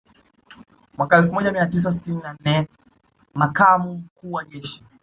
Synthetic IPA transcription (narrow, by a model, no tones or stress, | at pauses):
mwakaɛlfumɔʄamiatis̬asi̥tininan̩nɛ | makamum̩kuːwaʄɛʃi̥